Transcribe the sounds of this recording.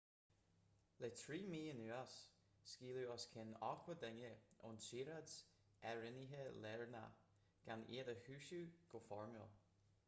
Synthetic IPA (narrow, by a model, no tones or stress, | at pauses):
letʰɹiːmiːɪnʉːasː | kiːluɔskʰɪnɔkʰwədɛŋəʊ̰nsiːɾads | ɛɹɪniɦəlɛɹna̰ | ɡ̥anḛːdəhʉːʃuɡ̥ofɔɹmə̰lˠ